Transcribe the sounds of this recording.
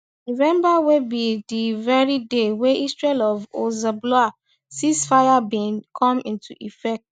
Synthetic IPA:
novɛ̃mbawebidivɛɹideweʔistɹeɛlɔvozablɔa | sĩsfajabĩnkʰɔ̃mĩntʰuʔifɛk̚t

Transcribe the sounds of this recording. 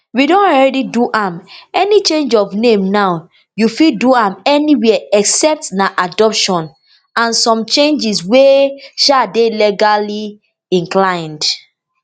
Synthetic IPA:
widõnɔlɹɛdiduʔãmɛnit͡ʃẽnd͡ʒɔvnẽmnaʊ | jufiduãmɛniwɛɛksɛp̚tnaʔadɔpʃɔ̃n | ãnsɔ̃mt͡ʃẽnd͡ʒisweʃadelɛɡali | ĩŋklãɪ̃nd

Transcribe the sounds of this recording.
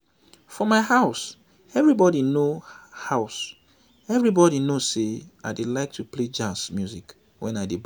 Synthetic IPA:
fɔmaɪhaʊs | ɛvɹibɔɾinohaʊs | ɛvɹibɔɾinozseaɪdelaɪk̚tʰupled͡ʒasmjuzik | wɛ̃naɪdeb

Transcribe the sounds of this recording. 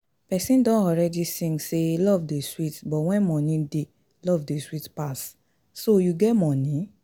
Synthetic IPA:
pɛsĩdɔ̃nɔɾɛdisĩŋselɔvdeswitbɔwɛ̃mɔ̃nĩde | lɔvdeswitpas | sojuɡɛmɔ̃nĩ

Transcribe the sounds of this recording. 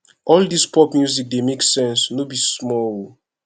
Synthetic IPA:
ʔɔldispɔpmjuzik̚demeksɛ̃nsnobismɔwo

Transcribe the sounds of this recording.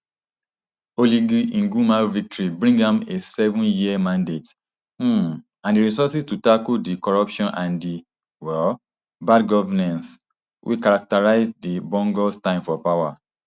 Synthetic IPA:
oliɡiʔĩnɡumavik̚tɔɹibɹĩŋɡãmesɛvɔ̃njimãndet̩ | ãndiɹisɔsistutakudikɔɹɔpʃɔ̃nʔãndi | wɛl | badɡɔvanãns | wʔḭkaɹak̚taɹaɪzdibɔ̃ŋɡɔstãɪ̃mfɔpawa

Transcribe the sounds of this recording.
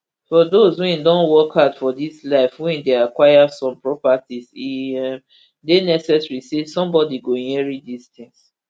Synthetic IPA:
fɔdozhuĩndɔ̃nwɔkʰatfɔdislaɪfhuĩndeakwajasɔ̃mpɹɔpatiziɛm | denɛsɛsɹisesɔ̃mbɔdiɡõnɛɹidist̪ɪ̃ŋs

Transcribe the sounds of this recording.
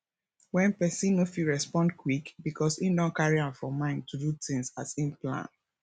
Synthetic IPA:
wɛ̃npɛsĩnofiɹɛspɔ̃ndkʰwikbikʰɔsidɔ̃nkaɹiãnfɹɔ̃mãɪ̃ntʰudutĩŋsasĩnplã̰n

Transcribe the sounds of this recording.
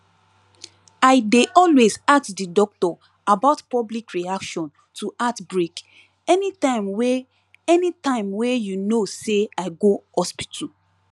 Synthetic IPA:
aɪdeʔɔlwezatdidɔk̚tɔ | abaʊtpɔblikɹiakʃɔ̃n | tʰuʔatbɹek | ɛnitãɪ̃mwe | ɛnitãɪ̃mwejunoseaɪɡohɔspi̥tʰu

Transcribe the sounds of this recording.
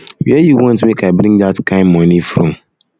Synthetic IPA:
wɛjuwɔ̃ntmikaɪbɾĩŋdatkʰãɪ̃nmɔ̃nifɾũm

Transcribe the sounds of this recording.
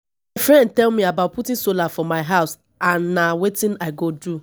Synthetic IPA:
maɪfɹɛ̃nd̚tɛlmiabaʊt̚putĩnsolafɔmaɪɦaʊs | ãnːawetĩnaɪɡodu

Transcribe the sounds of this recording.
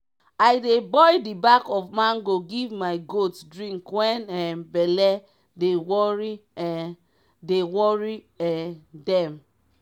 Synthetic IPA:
aɪdebɔjdibakɔfmãnɡoɡivmaɪɡotdɹĩŋkwɛ̃nɛbɛlɛ | dewɔɹi | dewɔɹi | ɛdɛ̃m

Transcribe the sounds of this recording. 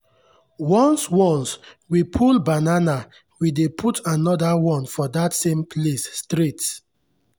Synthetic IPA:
wɔ̃nswɔ̃ns | wipʰulbanana | widepʰutʰanɔdawɔ̃nfɔdatsẽmpʰlesːtɾits

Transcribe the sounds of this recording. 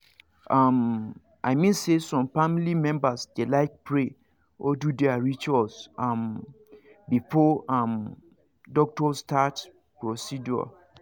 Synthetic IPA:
ʔam | ʔaɪmĩnsesɔ̃mfamilimɛ̃mbasd̥elaɪk̚pʰɹe | ɔdudɛaɹit͡ʃalsãm | bifɔam | dɔk̚tɔsːtʰat | pɹosid͡ʒɔ̰

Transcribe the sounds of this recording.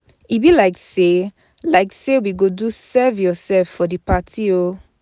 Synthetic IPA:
ibilaɪkse | laɪksewiɡodusɛvjɔsɛlfːɔdipatʰio

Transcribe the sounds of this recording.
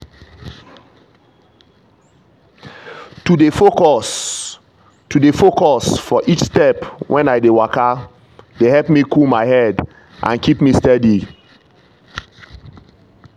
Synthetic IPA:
tudefokɔs | tudefokɔsfɔʔit͡ʃstɛpwʔɛ̃naɪdewaka | dehɛlpmikulmaɪɦɛd | ʔã̰nkipmistɛdi

